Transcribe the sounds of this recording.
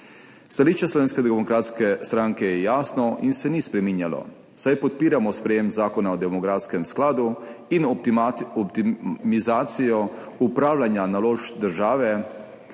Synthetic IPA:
st̪aliːʃt͡ʃɛslɔʋeːnskɛd̪ɛmɔkɾaːt̪skɛst̪ɾaŋkɛjɛjaːsnɔʔinsɛnispɾɛminjalɔ̰ | sajpɔt̪̚piːɾamɔspɾɛjeːmzaːkɔnaɔd̪ɛmɔɡɾaːskɛmsklaːd̪uin | ɔpt̪imizaːt̪sijɔ | upɾaːwlanjanaloːʒd̪əɾʒaːʋɛ

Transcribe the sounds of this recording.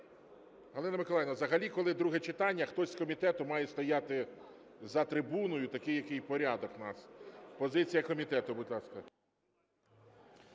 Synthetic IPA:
ɦɐlˠɪnɐmɪkɔlˠɛjnɐzɐɦɐlʲikɔlˠɪd̪ɾuɦɛt͡ʃɪt̪ɑnʲːɐxt̪ɔsʲskɔmʲit̪ɛt̪ʊmɑjɛst̪ɔjɑt̪ɪ | zɐt̪ɾɪbunɔjʊt̪ɐkɪjɐkɪjpɔɾʲɑd̪ɔknɑspɔzɪt͡sʲijɐkɔmʲit̪ɛt̪ʊbʊd̪lˠɑskɐ

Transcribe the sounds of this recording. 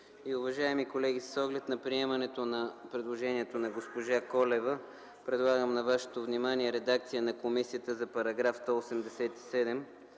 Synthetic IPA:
iʊvɐʒaɛmikolɛɡʲissɔɡlɛt̪nɐpɾiɛmɐnɛt̪onɐpɾɛd̪lˠoʒɛniɛt̪onɐɡospoʒakɔlɛvə | pɾɛd̪lˠaɡəmnɐvaʃɛ̥t̪ovnimaniɛɾɛd̪ak̚t̪sijənɐkomisijət̪əzɐpɐɾɐɡɾafst̪ɔosɛmd̪ɛsɛt̪i̥sɛd̪ɛm

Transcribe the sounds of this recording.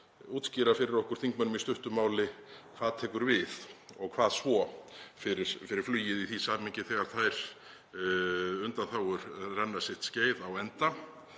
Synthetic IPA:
uːt̪sciɾafɪɾɪɾɔhkʏɾ̥θiŋk̚mœnʏmist̪ʏht̪ʏmaːwlɪkʰvaːðt̪ʰɛːkʏɾvɪðɔɣkʰvaːðsvɔfɪɾɪɾ̥fɪɾɪɾ̥flyːjɪðiθisaːmiɲcɪθɛːɣaɾ̥θajɾ̥ | ʏnt̪anθawɣʏɾrɛnːasɪht̪sceːjðawɛnt̪a

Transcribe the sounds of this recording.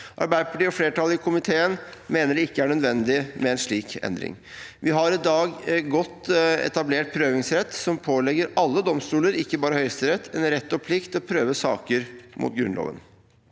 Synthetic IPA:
ʔɑ̰ɾbæɪəpʰɑʈiːɔfleːʈʰɑlːəɪkʰʊmɪt̪ʰeːənmeːnəɖɛɪkːəæɳœd̪ʋɛnd̪ɪmɛɛnʂɭiːkɛ̰nd̪ɾɪ̰ŋ | ʋɪɦɑɾɪd̪ɑːɡɡɔt̪ːɛ̰t̪ɑbleːʈ̚pʰɾøːʋɪŋsɾɛt̪ːsɔmpʰoːlɛɡəɾɑlːəd̪ɔmst̪uːləɾɪkːəbɑːɾəhœʏst̪əɾɛt̪ːɛnɾɛt̪ːɔpʰlɪkt̪ɔpʰɾøːʋəsɑ̰ːkəɾmʔʊ̰t̪ɡɾʉ̰nlo̰ːʋə̰n

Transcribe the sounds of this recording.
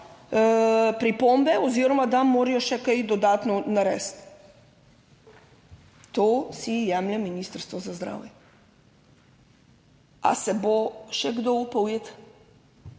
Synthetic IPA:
pɾipombɛɔziːɾɔmad̪amːoːɾijɔʃɛkɛjd̪ɔd̪aːt̪nɔnaɾɛ̰ːst̪ | t̪oːsijɛmlɛmːiniːst̪əɾst̪ʋɔzazd̪ɾa̰ːwjɛ | a̰sɛboʃɛɡd̪oupɔwjet̪

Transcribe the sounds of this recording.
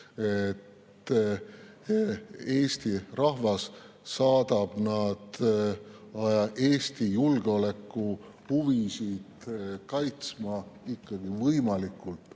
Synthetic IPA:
et̪ː | eːst̪irɑhvɑsː | ɑːd̪̥ɑb̥nɑd̪̥ | ɑʔe̞ːst̪ijulɡ̥eo̞le̞kːˑu | huvisid̪̥kɑjt̪smɑikːɑɡ̥ivɤjmɑlikːˑult̪

